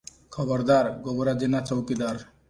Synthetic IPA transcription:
kʰɔbɔɾd̪aɾɡobɾad͡ʒinat͡sɔwkid̪aɾ

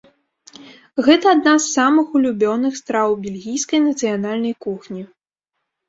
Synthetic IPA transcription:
ɣɛt̪ɐːd̪nazːamɨxulʲubʲɔnɨxst̪ɾawbʲelʲɣʲijskɐjnɐt̪sɨjanalʲnɐjkuxnʲi

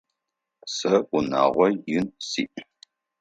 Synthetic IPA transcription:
sɐʔʷuna̰ːʁʷɔjɪnsiːʔ

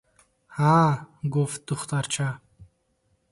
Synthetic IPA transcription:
haːɡuf̚d̪̥uχt̪ʼaɾt͡ʃʰa

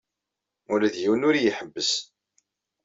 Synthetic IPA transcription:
ulæðjiwənʊɾjiħəbːəs

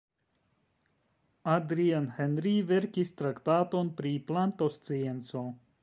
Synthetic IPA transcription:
adɾianhenɾive̞ɾkist̪ɾaktato̞npɾiplanto̞st͡sie̞nt͡so̞

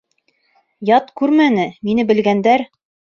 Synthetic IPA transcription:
jɑt̪kʉɾmænɘminɘbɘ̆lɡænd̪æɾ

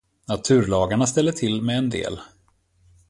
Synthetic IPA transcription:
nat̪ʰʉ̟ːɾɭɑːɡaɳast̪ɛlːəʈʰɪlːmɛɛnd̪ḛːl

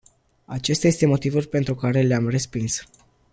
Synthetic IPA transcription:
at͡ʃe̞st̪aje̞st̪e̞mo̞t̪ivulʲpe̞nt̪ɾukaɾe̞leamre̞spins

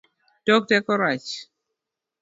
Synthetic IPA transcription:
d̥ɔk̚tɛkɔɾat͡ʃ

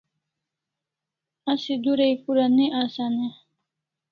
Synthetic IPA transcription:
asid̪uɾejkuɾaniʔaːsane

